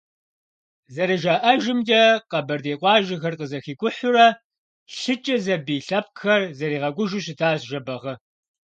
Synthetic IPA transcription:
zɐɾɨʒaːʔɐʒɪmdɐqɐbɐrdeːqʷʼɑːʒɪxɐrqəzɐxiːkʷʼʊħʊɾɐ | ɬɨt͡ʃʼɐzɐbiːɬɐp̚xɐrzɐɾiːʁɐɡʷʊʒʊɕɪtʰaːzʒɐbɐʁɐ

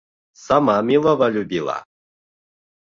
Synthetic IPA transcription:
samamʲilˠɔvɐlʲubʲilˠa̰

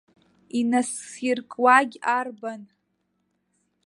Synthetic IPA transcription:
inasirkʼwaɡʲarban

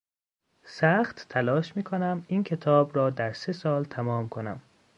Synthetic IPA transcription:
sæxt̪ːʰælɒːʃmiːkʰonæmiːnkʰe̞t̪ʰɒːbɾɒːd̪æɾse̞sɒːlt̪ʰæmɒːmkʰo̞næ̰m

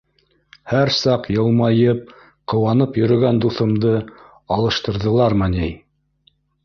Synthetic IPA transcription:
hæɾsɑqjɤ̆lˠmɑjɤp̚ | qɤ̆wɑnɤpjɵ̆ɾɵ̆ɡænd̪uθɤ̆md̪ɤ | ɑlˠɤ̆ʃt̪ɤ̆ɾðɤ̆lˠɑɾmænej

